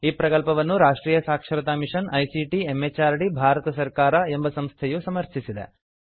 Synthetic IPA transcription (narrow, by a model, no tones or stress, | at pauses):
iːpɾɐkɐlpɐʋɐnːuɾaːʂʈɾiːjɐsaːkʂɐɾɐt̪aːmiʂɐnɐjsiʈiemːet͡ʃaːɾɐɽibʱaːɾɐt̪ɐsɐɾkaːɾɐe̞mbɐsɐmst̪ʰɛjusɐmɐɾtʰisid̪ḛ